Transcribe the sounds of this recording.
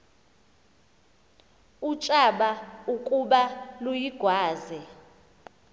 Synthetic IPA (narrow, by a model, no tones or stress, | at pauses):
ut͡ʃʼaɓaukʼuɓalujiɡ̥ʱwaːzɛ